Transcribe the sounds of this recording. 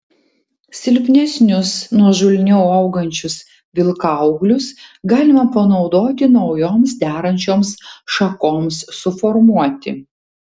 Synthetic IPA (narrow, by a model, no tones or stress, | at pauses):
sʲɪlʲpʲnʲɛsʲnʲʊsnuɔʒʊlʲnʲɛʊɐʊɡɐnʲt͡ʃʲʊs | ʋʲɪlˠkɐʊɡlʲʊsɡɑːlʲɪmɐpɐnɒʊd̪oːt̪ʲɪnɒʊjoːmsd̪ʲæːɾɐnʲt͡ʃʲoːmsʃɐkoːmsːʊfɔɾmuɔt̪ʲɪ̰